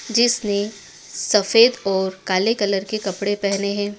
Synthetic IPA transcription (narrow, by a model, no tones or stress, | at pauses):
d͡ʒɪsne | sɐfeːd̪ɔːɾkaːlekɐləɾkekɐpɽepɛɦneɦɛ̃ː